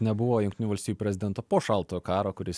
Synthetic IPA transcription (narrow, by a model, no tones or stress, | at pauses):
nʲɛbʊʋoːjʊŋʲkt̪ʲɪnʲuːʋɐlʲsʲt̪ʲiːjuːpʲɾʲɛzʲɪd̪ʲɛnt̪oːpoːʃɐlˠt̪oːjokɑːɾoːkʊɾʲɪs